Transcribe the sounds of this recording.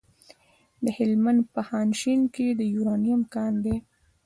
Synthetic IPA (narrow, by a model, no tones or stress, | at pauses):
d̪əhɪlmand̪̚pəhɑnʃinked̪əjuɾɑnijamkɑnd̪e